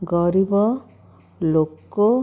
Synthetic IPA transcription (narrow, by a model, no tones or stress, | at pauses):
ɡɔɾibɔ | lokːo